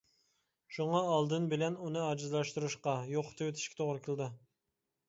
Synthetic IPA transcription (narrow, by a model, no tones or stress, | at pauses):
ʃuŋɑːlˠd̪ɨnbɪlɛnunɨɑd͡ʒɨzlˠɑʃt̪uɾuʃqɑjoqːt̪ʰewet̪ʰɪ̥ʃkʲɛ̥t̪ʰoʁɾɨkʲʰɪlˠɪd̪ɨ